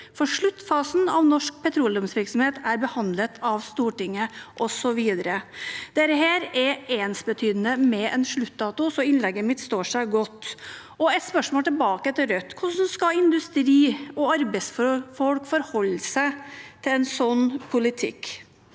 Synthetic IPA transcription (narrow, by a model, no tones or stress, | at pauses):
fɔʂɭʉt̪ːfɑːsn̩ɑʋnɔʂk̚pʰɛt̪ʰɾuːld̪ɔmsʋɪɾksɔmheːt̪æɾbəhɑnd̪lət̪ʰɑʋst̪uːʈɪŋːəʔɔsɔʋiːd̪əɾəd̪̥eːɾəɦeːɾɛeːnsbət̪ʰyːd̪ənəmɛʔɛnʂɭʉt̪ːd̪ɑːt̪ʊsɔɪnlɛɡːəmɪt̪st̪oːʂæɪɡɔt̪ː | ɔɛt̪spœʂmoːlt̪ʰɪlbɑːkəɛt̪ʰɪɾœt̪ːkʰʊʂnskɑɪnd̪ʉst̪ɾiːɔɑɾbɛɪsfɔfɔlkfɔɾhɔlːsæɪt̪ʰɪlɛnsɔnːpʰʊlɪt̪ʰɪ̰kː